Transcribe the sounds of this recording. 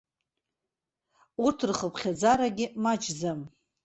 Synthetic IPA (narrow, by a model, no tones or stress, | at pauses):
urtʰrχəpʰχʲad͡zaɾaɡʲɪmat͡ʃʰzam